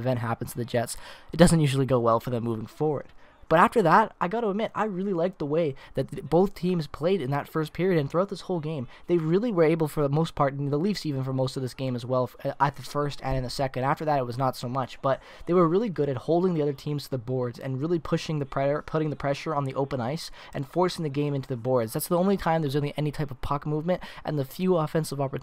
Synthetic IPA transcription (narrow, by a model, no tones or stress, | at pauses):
ɨvɛ̃nʔɦæpn̩z̥tʰɨðɨd͡ʒɛtsɨt̚d̥ʌzɨ̃ntjʉʒl̩ˠiɡoʊwɛlˠfə˞ðɨ̃mːuvɪ̃ŋfɔɹwə̰˞d̚ | b̥ʌɾæftə˞ðəɾaɪɡɑɾəəmɪɾa̰ɪɹɪlˠilaɪk̚t̪̚ðəweɪðɨt̪̚b̥oʊθtʰĩmz̥pʰl̥eɪɾɨ̃nðɨtfɜ˞s̚pʰɪɹiɨɾɨ̃nθɹuaʊt̪̚ðɪshoʊlˠɡẽɪ̃mðeɪɹɪlˠiwə˞eɪbl̩ˠfə˞ðmoʊspʰɑɹɾðəlifsivɨ̃n̩fə˞moʊstʌvðɪsɡ̥ẽɪ̃mzwɛlˠət̪̚ðɨfɜ˞stɨ̃nɨ̃nðɨsɛkɨ̃ndæftə˞ðɨɾɨt̚wʌznətsoʊmʌt͡ʃb̥ʌt̪̚ | ðeɪwə˞ɹɪlˠiɡʊɾɨt̚hoʊlˠdɪ̃ŋðiʌðə˞tʰĩmz̥tʰɨðɨbɔɹdzɨ̰̃nɹɪlˠipʰʊʃɪ̃ŋðɨpʰɹ̥ɛ˞pʰʊɾɪ̃ŋðɨpʰɹ̥ɛʃə˞ə̃nðiʔoʊpə̃naɪsʔɨ̃nfɔɹsɪ̃ŋðɨɡẽɪ̃mɪ̃ntʰʉðɨbɔɹdzðætsðiõʊ̃nlitʰãɪ̃mðə˞wzõʊ̃nlˠiʔɛnitʰaɪpʌv̥pʰɑkmuvmɨ̃ntʔɨ̰̃nðɨfjʉɔfɛ̃nsʌvɑpə˞t